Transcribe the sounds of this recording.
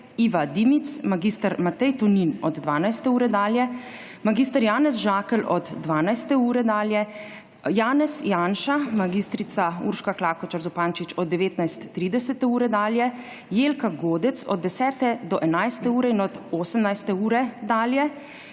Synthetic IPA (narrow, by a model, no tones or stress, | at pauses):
iːʋad̪imit̪smaɡist̪aɾmat̪ɛjt̪ɔninɔd̪d̪ʋaːnajst̪ɛuːɾɛd̪aːljɛ | maɡiːst̪aɾjaːnɛzʒaːkɛlɔd̪ːʋaːnajst̪ɛuːɾɛd̪aːljɛ | jaːnɛsjaːnʃamaɡiːst̪ɾit̪saṵɾʃkaklaːkɔt͡ʃaɾzɔpaːnt͡ʃit͡ʃɔd̪̚d̪ːɛʋeːt̪najst̪ːɾiːd̪ɛsɛt̪ɛuːɾɛd̪aːljɛ | jeːlkaɡoːd̪ɛt̪sɔ̰d̪̚ːɛsɛːt̪ɛd̪ɔʔɛnajst̪ɛuːɾɛinɔd̪oːsəmnajst̪ɛuːɾɛd̪aːljɛ